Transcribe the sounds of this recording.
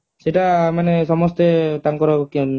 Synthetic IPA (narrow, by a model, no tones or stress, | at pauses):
seʈamanesɔmɔst̪et̪aŋkɔɾɔk